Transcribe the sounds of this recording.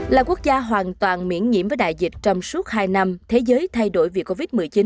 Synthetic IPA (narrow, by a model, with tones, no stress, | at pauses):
laː˨˩ku˦˥ək̚zaː˧ɦwaː˨˩nt̪waː˨˩nmḭ˧˥ənɲḭ˧˥əmvəː˨˦jɗa̰ː˧˨jzï˨˩k̟̚t͡ɕɔ˧wŋ͡msu˦˥ət̚haː˧jna˧mt̪ʰe˨˦zəː˨˦jt̪ʰa˧jɗo˧˩jvḭ˧˨˩kːo˧vi˦˥t̚mɨ˨˩əjt͡ɕi˨˦n